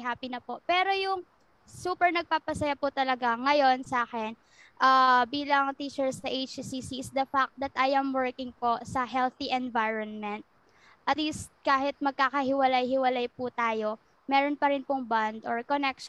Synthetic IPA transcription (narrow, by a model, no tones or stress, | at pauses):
ɦaːpinɐpo̞pɛːɾo̞jʊŋ | suːpɛɹnɐɡ̚paːpɐsɐjapʊt̪ɐlɐɡaŋɐjo̞nsɐaːkɛn | ʔaːbiːlɐŋt̪iːt͡ʃɛɹsɐʔejt͡ʃsisisd̪ɐfak̚t̪̚d̪ɐt̪ʔajʔɐmwɛɹkɪŋpo̞sɐɦɛlθiʔɛnvajɹonmɛnt̪̚ | ʔɐt̪liːst̪̚kaːɦɪt̪̚mɐɡ̚kaːkɐhɪwɐlajhɪwɐlajput̪aːjo̞ | mɛːɾonpɐɾɪnpʊŋband̪oɹkonɛk̚ʃ